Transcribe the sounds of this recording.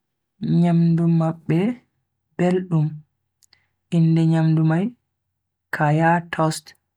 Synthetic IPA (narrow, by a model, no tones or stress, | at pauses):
ɲamdumaɓːɛ | b̥elɗum | ʔindɛɲamdumaj | kʰajatʰɔst